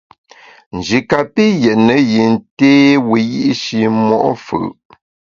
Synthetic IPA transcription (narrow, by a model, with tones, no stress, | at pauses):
n̩˨d͡ʒi˨ka˨pi˦jɛ˨ʔnə˨ji˨n˨teː˦wi˨ji˦ʔʃi˨mɔ̰˦ʔfʉ̰˨